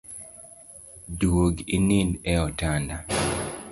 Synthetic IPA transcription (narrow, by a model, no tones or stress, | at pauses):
dwoɡinindɛɔtanda